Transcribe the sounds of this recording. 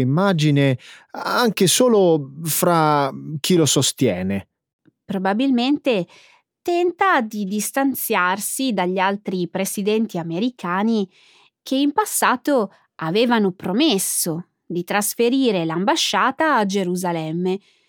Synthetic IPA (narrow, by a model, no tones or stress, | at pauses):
imːaːd͡ʒineaŋkesoːlofɾak̟ilosost̪jɛːne | pɾobabilment̪e | t̪ɛnt̪ad̪id̪ist̪ant̪sjarsid̪aʎːialt̪ɾipɾesid̪ɛnt̪iameɾikʰaːni | kʰeimpasːaːt̪o | aveːvanopɾomesːo | d̪it̪ɾasfeɾiːɾelambaʃːaːt̪aːd͡ʒeɾuzalɛmːe